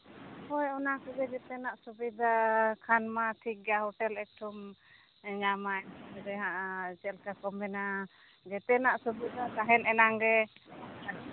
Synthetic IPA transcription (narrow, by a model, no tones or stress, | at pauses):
hɔjɔnakɔɡɛd͡ʒɛt̪ɛnaʔsubid̪akʰanmaʈʰik̚ɡahɔʈɛlɛk̚ʈʰum | ɲamaɛdɛɦãʔat͡ʃɛlkakɔmbɛna | d͡ʒɛt̪ɛnaʔsubid̪akaɦɛnɛnaŋɾɛ